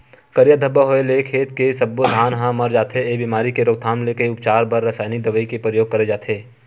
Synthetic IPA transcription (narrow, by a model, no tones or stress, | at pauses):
kɐɾjəd̪ʱəbəɦoeleːkʰeːt̪kesɐbːod̪ʱaːnɦãmɐɾd͡ʒaːt̪ʰeebiːmaːɾikeɾoːk̚t̪ʰaːmleːkeʊpt͡ʃaːɾbɐɾːɐsaːjnid̪ɐʋəikepɾəjoːɡ̚kɐɾed͡ʒaːt̪ʰeː